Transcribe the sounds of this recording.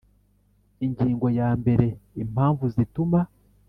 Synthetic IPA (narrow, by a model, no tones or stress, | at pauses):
iɲɟiːŋɡo̞jaːmbe̞ɾe̞im̥haːɱvuzituma